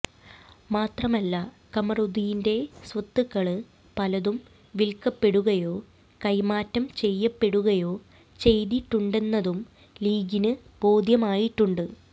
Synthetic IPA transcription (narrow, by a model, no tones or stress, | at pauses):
maːt̪rɐmɐlːɐ | kɐmɐruðijinde̞sʋɐt̪ːɨkːɐɭɨ | pɐlɐðum | ʋilkɐpːe̞ɽuɣɐjo̞ː | kɐjmaːtːɐmt͡ɕe̞jːɐpːe̞ɽuɣɐjo̞ː | t͡ɕe̞jðiʈːuɳɖe̞nːɐðum | liːɡinɨb̥o̞ːd̪ʱjɐmaːjiʈːuɳɖɨ